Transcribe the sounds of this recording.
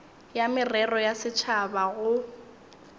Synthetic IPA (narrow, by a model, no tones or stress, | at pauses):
jamɪrɛrɔjasɪt͡ʃʰabaɣʊ